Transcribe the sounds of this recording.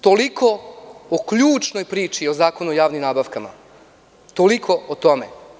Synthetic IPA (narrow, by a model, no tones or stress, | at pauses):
t̪olikookʎuːt͡ʃno̞jpɾiːt͡ʃio̞zaːko̞nuojaːʋnimnaːbaʋkama̰ | t̪olikʰo̞ʔot̪o̞me